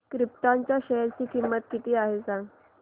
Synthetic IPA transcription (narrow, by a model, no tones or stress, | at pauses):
kɾip̚t̪aɲt͡ɕjaɕeɾt͡ɕiːkimːət̪kit̪iːaɦed͡zãŋɡ